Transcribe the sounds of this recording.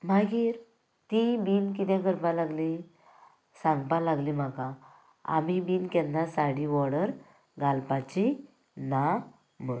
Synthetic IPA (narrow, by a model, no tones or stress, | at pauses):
maɡiːɾ | t̪ibiːnkit̪̬jaɡəɾpalaɡli | sãŋɡpãlaɡlim̤aka | a̰mibiːnkɛndasaɽiʋɔɽəɾ | ɡalpat͡ɕi | na | mə